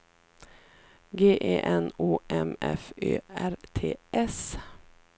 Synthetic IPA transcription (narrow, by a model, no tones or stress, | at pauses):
ɡeːʔeːʔɛnuːʔɛmɛføːæɾt̪ʰḛːʔɛs